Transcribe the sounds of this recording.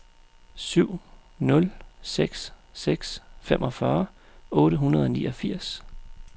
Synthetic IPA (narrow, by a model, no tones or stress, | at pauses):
syʊ̰nɔ̽lseɡ̥sː | eɡ̥sfemʔɒ̽fɶːɐ | ɔ̽ːɾəɦunɐðˠɒ̽nḭːʔɒfiɐ̰s